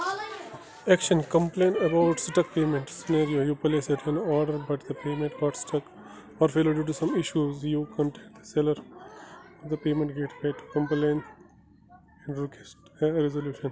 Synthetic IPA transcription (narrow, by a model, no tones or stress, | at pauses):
ɛkʃə̃nkə̃mplẽːnəbaʊʈsʈɐk̚peːmẽɳʈsɪnaːɾijoːjupɐleseʈɛ̃nɔːɾɖəɾbɐʈd̪əpeːmẽɳʈɡɔːʈsʈʌk | ɔːɾfeːloːɖjuʈ̬usɐ̃mɪʃuːzjuːkɔ̃ɳʈeʈd̪əsɛləɾ | d̪əpeːmẽɳʈɡeʈbaɪʈu̥kə̃mplẽːn | ɛ̃ɳɖɾukesʈɾɛzoljuːʃə̃n